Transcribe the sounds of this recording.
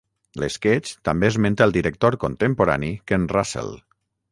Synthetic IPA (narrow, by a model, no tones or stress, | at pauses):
lesket͡ʃt̪ambeezmẽnt̪əlˠd̪iɾək̚t̪oɾkont̪empoɾa̰nikenrasḛlˠ